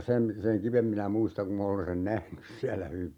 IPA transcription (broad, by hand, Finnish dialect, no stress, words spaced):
sem seŋ kiʋem minæ muistɑŋ ku m olen sen næhnys siælæ hyʋi